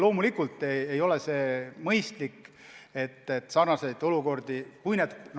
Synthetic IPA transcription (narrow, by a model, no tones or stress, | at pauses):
lo̞ːmulikːult̪ːˑeejo̞lese̞ːmɤjst̪likː | e̞t̪ːet̪ːˑsɑrnɑse̞jd̪o̞luko̞rd̪̥ikujned̪n